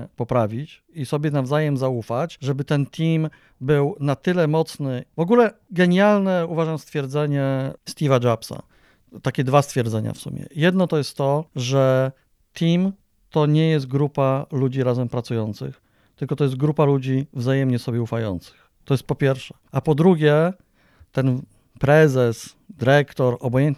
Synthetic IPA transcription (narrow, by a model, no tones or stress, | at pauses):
pɔpɾavʲit͡ɕ | isɔbʲjɛnavzajɛmzaufat͡ɕʐɛbɘt̪ɛnt̪ʰʲim | bɘwnat̪ɘlɛmɔt̪snɘvɔɡulɛɡɛɲjalnɛuvaʐamst̪fʲjɛɾd̪zɛɲɛst̪ʲivad͡ʐapsa̰ | t̪akʲɛd̪vast̪fʲjɛɾd̪zɛɲa̰fsṵmʲjɛ̰jɛd̪nɔt̪ɔjɛst̪ːɔʐɛ | t̪ʰim | t̪ɔɲɛjɛs̬t̪̚ɡɾupalud͡ʑiɾazɛmpɾat̪sujɔnt̪sɘ̰x | t̪ɘlkɔt̪ɔjɛst̪̚ɡɾupalud͡ʑivzajɛmɲɛsɔbʲjɛufajɔ̰nt̪sɘ̥x | t̪ɔjɛst̪̚pɔpʲjɛɾfʂɛ̥ʔapɔd̪ɾuɡʲjɛ | t̪ɛn | pɾɛzɛs | d̪ɘɾɛkt̪ɔɾɔbɔjɛnt̪̚